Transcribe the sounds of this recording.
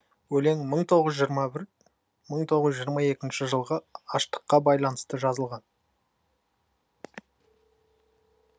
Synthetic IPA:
wɵle̞ŋməɴt̪ʰo̞ʁəzʒjɾmɑbɪɾ | məɴt̪ʰo̞ʁəzʒijəɾmɑje̞kʲɪnʃɪʒəlˠʁəɑʃt̪ə̥qːɑbɑjlˠɑnəst̪əʒɑzəlˠʁɑn

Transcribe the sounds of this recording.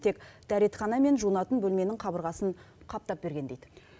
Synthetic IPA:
t̪ʰe̞kd̪̥æɾe̞t̪χɑnɑme̞nʒunɑt̪ənbɵlme̞nɪŋqʰɑbəɾʁɑsən | qʰɑp̚t̪ɑp̚be̞ɾɡʲe̞nd̪ejd̪

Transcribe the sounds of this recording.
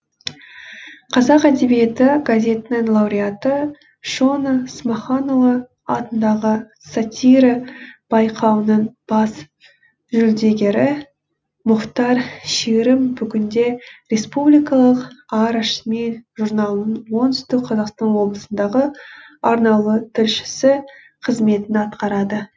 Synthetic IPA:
qʰɑzɑqæd̪e̞bijet̪ɪɡazʲe̞t̪ɪnɪŋlˠɑwɾiat̪ə | ʃonsmaχɑnovə | ɑ̰t̪ənd̪ɑʁə | sat̪ʲiɾɑb̥ɑjqʰɑwənɑnb̥ɑs | ʒʏld̪e̞ɡʲe̞ɾɪ | mʊqt̪ɑɾʃeɾɪmbʏɡʲɪnd̪e̞rʲe̞spublʲijkɑlˠəqɑɾʃmeʒurnɑlˠnənwo̞nt̪ʏ̥st̪ɪk̚qʰɑzɑqst̪ɑnwo̞blˠəsənd̪ɑʁəɑɾnɑlˠət̪ʰɪlʃɪ̥sɪ | qʰəzme̞t̪ɪnɑt̪qɑɾɑd̪ə

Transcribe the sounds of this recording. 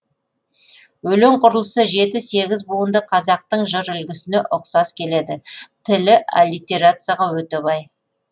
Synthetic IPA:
wɵle̞ɴqʰʊɾəlˠəsəʒe̞t̪ɪse̞ɡʲɪzbuwənd̪əqʰɑzɑq̚t̪əɴʒəɾʏlɡʲɪsɪneʔʊqsɑskʲʰe̞le̞d̪ɪt̪ʰɪlɪʔa̰lit̪ʲeɾat̪sɨjaʁɑwɵt̪ebɑj

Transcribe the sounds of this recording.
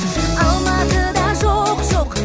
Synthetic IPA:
ɑlˠmɑt̪əd̪ɑʒoqʒoq

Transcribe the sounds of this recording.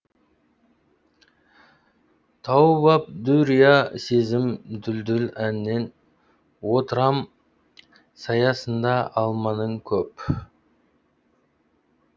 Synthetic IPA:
t̪ʰɑwbɑp̚d̪uɾijasezɪmd̪ʏld̪ʏlænɪnːe̞n | wot̪əɾɑm | sɑjɑsənd̪ɑʔɑlˠmɑnəɴkʲʰɵp

